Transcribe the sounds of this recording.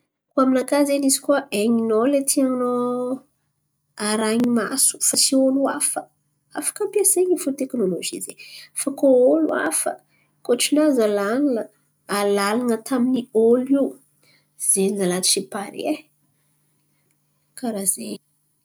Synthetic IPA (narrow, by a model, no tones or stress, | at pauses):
kuaminakazenizi̥kuəʔeɲinolet̪ʰiaŋno | aɾaɲimasu̥fasioluafə | afə̥kəpiaseɲifut̪eknoloʒizefakoolṵa̰fə̰ | koʈ͡ʂinazalanunə | alalanət̪ʰaminioliw | z̥enizalat̪u̥sipaɾe | kaɾaze